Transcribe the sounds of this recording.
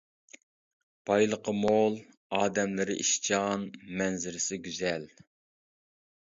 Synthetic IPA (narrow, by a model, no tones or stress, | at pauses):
b̥ɑjlˠəqʰəmolˠ | ɑːd̪ɛmlɪɾɪ̰ʔiʃt͡ʃʰɑnmɛnzɪɾɪsɪɡʲyzɛl